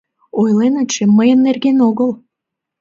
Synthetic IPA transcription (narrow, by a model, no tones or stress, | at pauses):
ojlenət͡ɕĕmːəjənːerɣenoɣəl